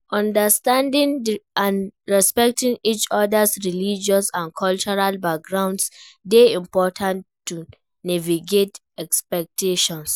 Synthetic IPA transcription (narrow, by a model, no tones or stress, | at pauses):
ɔ̃ndəstãndĩŋãnɹɛspɛk̚tĩŋit͡ʃɔdəsɹilid͡ʒɔsãnkʰɔlt͡ʃɔɹalbak̚ɡɹãw̃ndsdeĩmpɔtʰãntːu | nɛviɡet | ɛkspɛk̚tʰeʃɔ̃ns